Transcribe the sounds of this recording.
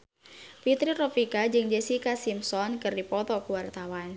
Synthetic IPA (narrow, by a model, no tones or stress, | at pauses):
fit̪ɾirɔfikad͡ʒɨŋd͡ʒɛsikasimsɔnkɨrdipɔt̪ɔkuwart̪awan